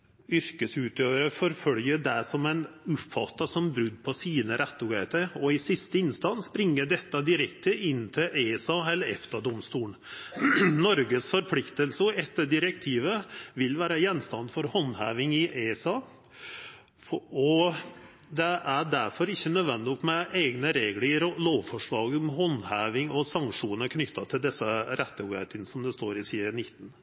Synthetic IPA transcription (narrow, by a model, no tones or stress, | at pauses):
ʏɾkəsʉːt̪ʰjøːʋəɾəfɔɾfœljəɖ̪æsɔmæɪnʊpfɑt̪ːɑsɔmbɾʉd̪ːpʰɔsiːnəɾɛt̪ːʊɡet̪əɾɔɪsɪst̪əɪnst̪ɑnsbɾɪŋːəd̪ɛt̪ːɑd̪ɪɾɛk̚t̪ʰəɪnːt̪ʰɪlʔesɑɛlːəɛ̰ft̪əd̪ɔmst̪uːɳ | nɔɾɡəsfɔɾpʰlɪkt̪əlsəɛt̪ːəɖ̪ɪɾək̚t̪ʰiːʋəʋɪlʋæːɾəjɛnːst̪ɑnd̪fɔɾhɔnhæːʋɪŋɪʔesɑː | ɔ | d̪ɛʔæɖæɾfɔɾɪçːənœd̪ʋɛnd̪ɔt̪mɛʔeːɡnəɾeːɡləloːʋfɔʂɭɑːɡɔmɦɔnhæːʋɪŋɔsɑŋʂuːnəɾkʰnʏt̪ːɑt̪ʰɪld̪ɛsəɾæt̪ːəuhḛːt̪ɪnsɔmd̪ɛst̪oːɾɪsiːənɪt̪ːn̩